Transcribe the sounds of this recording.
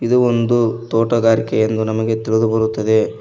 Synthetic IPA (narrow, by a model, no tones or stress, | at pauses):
id̪uond̪ut̪oːʈɐɡaːɾikejend̪unɐmɐɡe̞t̪iɭed̪ubɐɾut̪ːɐd̪e̞